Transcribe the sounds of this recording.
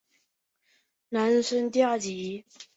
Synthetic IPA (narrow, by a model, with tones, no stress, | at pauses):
na˧˦nʂə˥nt̪ja˥˩t͡ɕi˨˦